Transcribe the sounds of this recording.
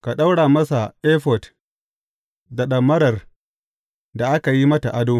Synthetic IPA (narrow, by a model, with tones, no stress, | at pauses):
ka˨ɗa˦wɽaː˨mɐ˦sa˨ʔe˦ɸɔ˨t | da˨ɗɐ˨mːɐ˦ɾɐ˨r | da˨ʔa˦ka˨ji˦mɐ˦ta˨ʔa˦doː˦